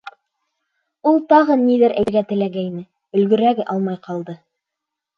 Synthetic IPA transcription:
ulˠt̪ɑʁɤnːiðɘɾʔæ̰ɾɡæt̪ɘ̆læɡæinɘ | ɵ̆lɡɵ̆ɾæɡɘʔɑlˠmɑjqɑlˠd̪ɤ

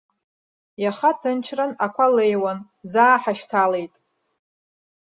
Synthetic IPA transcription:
jaχatʰɨnt͡ʃʰranakʷʰalejwan | zaːħaʃtʰale̞jtʼ

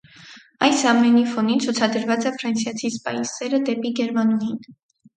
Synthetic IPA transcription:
ɑjsɑmɛnifɔnint͡sʰut͡sʰɑd̪əɾvɑt͡sɛfɾɑnsjɑt͡sʰispɑjisɛɾəd̪ɛpiɡɛɾmɑnujin

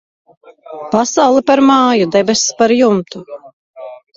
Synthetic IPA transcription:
pasawlˠipaɾmaːjud̪ɛbɛspaɾjumt̪u

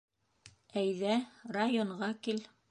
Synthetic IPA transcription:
æjðærajoɴʁɑkil

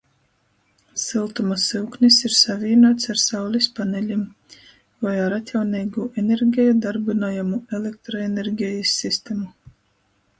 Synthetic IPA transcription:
silˠt̪umasɨwknʲisiɾsavʲiːnuːt̪saɾsawlʲispanɛlʲim | vajaɾat̪ʲjawniːɡuːʔenʲeɾɡʲɛjud̪aɾbinoːjamuelʲek̚t̪ɾoeneɾɡʲɛjisʲːist̪emu

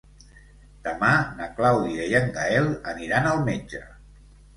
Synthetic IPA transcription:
d̪̥əmanəklawðiəjəŋɡaɛlˠəniɾanəlˠmed͡ʒə

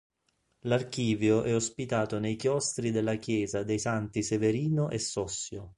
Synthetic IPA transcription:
lark̟iːvjoʔɛospit̪aːt̪onejkjɔst̪ɾid̪elːakjɛːzad̪ejsant̪iseveɾiːnoʔesːɔsːjo

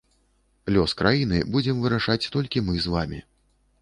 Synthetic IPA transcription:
lʲɔskɾajin̪ɨbud͡zʲɛmvɨɾaʂat͡sʲt̪ɔlʲkʲimɨzvamʲḭ

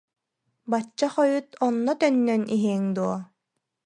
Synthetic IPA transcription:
bat͡ɕːaχɔjut̪ʰɔnːɔt̪œnːœnʔiɦiɛŋd̪uɔ

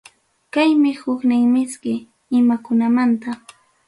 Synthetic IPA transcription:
kajmɪhʊknɪŋmɪskɪ | ɪmakʊnamant̪a

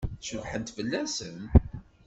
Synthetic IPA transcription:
ʃəvħənt̪fəlːæsən

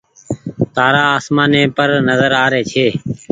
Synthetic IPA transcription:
t̪aːɾaːaːsmãːnẽːpəɾnəzəɾaːɾeːt͡ʃʰeː

